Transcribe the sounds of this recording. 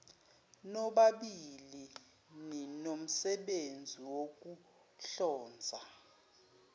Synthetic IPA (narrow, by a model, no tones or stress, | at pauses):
nɔɓaɓili | ninom̩sɛɓend͡zʱiwok̬ʼu | ɬɔːnd͡zʱa